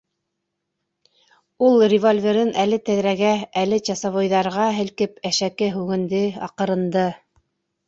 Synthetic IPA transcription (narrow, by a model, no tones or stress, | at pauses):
ulˠrʲɪvolʲvʲeɾɘnʔælɘt̪æðɾæɡæælɘt͡ɕɑsɑβŏjðɑɾʁɑɦɘ̆lkɘpæʃækɘɦʉɡɘ̆nd̪ɘɑ̰qɤ̆ɾɤ̆nd̪ɤ